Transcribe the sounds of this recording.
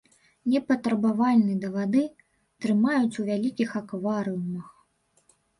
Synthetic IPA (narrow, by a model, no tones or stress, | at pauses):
nʲɛpɐt̪ɾɐbavalʲnɨd̪ɐvad̪ɨ | t̪ɾɨmajut͡sʲuvʲalʲikʲixakvaɾɨumɐx